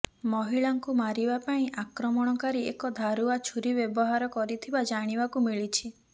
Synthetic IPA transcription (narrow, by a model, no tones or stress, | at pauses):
mɔɦiɭaŋkumaɾibapaĩʔakɾɔmɔɽ̃ɔkaɾiekɔd̪ʱaɾuat͡ʃʰuɾibjɔbɔɦaɾɔkɔɾit̪ʰibad͡ʒaɽ̃ibakumiɭit͡ʃʰi